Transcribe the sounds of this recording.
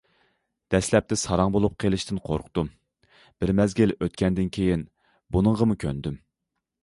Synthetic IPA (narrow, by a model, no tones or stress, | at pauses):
d̪̥ɛslɛp̚t̪ɪsɑɾɑŋbolˠup̚qʰelˠɨʃt̪ɪnqʰo̰ɾqʰt̪um | b̥ɪɾmɛzɡʲiløt̪kʲʰɛnd̪ɪnkʲʰejin | bunɨŋʁəmukʲʰønd̪ym